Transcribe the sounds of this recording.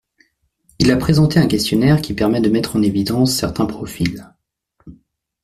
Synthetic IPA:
ilapχezɑ̃t̪eɛ̃kʲɛst̪jɔnɛʁkʲʰipɛʁmɛd̪əmɛt̪χɑ̃nevid̪ɑ̃sːɛʁt̪ɛ̃pχɔfil

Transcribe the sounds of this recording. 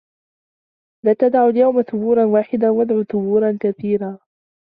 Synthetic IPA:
laːt̪ad̪ʕʊaljawmaθʊbuːɾˤɑnwaːħɪd̪awad̪ʕuːθʊbuːɾˤɑnkaθiːɾaː

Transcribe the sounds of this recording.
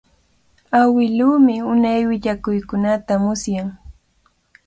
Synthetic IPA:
awɪluːmɪʊnajwɪʎakʊjkʊnat̪amʊsjaŋ

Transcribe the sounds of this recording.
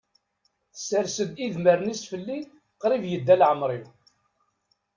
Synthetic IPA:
θə̥səɾsəd̪iðməɾnisfəlːi | qɾˤivjəd̪ːælʕəmɾˤiw

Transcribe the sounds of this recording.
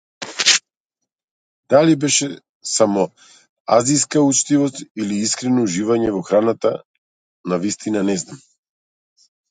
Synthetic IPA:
d̪̥alibɛʃɛ | samɔ | a̰zijskaut͡ʃt̪ivɔst̪iliiskɾɛnɔuʒivaɲɛvɔxɾanat̪a | navist̪inanɛznam

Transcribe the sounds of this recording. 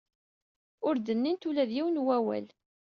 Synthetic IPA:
ʊɾd̪ənːint̪ulæðjiwənwæwæ̰l

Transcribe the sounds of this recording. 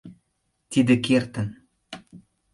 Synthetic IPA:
t̪id̪ɘ̆kert̪ə̆n

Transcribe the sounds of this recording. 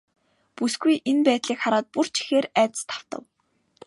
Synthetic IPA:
pusɡujʔenpæːt̪ɮiːkχaɾaːt̪̚pur̥t͡ɕʰi̥xeːɾæːt̪̆st̪ʰḁw̥t̪ə̰̆w

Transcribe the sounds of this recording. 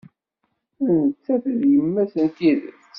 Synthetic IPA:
ænət͡sːæθəðjəmːæsənt̪iðə̰

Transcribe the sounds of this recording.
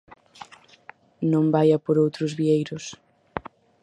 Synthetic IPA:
nõmbajɐpoɾowt̪ɾʊzβiejɾʊs

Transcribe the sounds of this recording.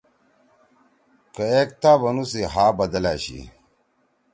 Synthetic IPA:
kɐek̚t̪aːbɐnusiɦaːbɐd̪ɐla̰ːɕḭ

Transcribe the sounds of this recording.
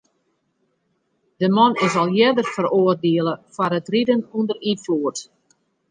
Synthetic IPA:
dəmɔnɪsɔlˠjɛdərfəroːərdeəlˠəfaɾətridənundərinfuːərt

